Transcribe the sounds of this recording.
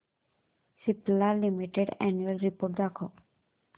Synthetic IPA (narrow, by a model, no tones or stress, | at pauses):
siplalimiʈeɖɛ̰njuelɾipoɾʈ̚d̪akʰo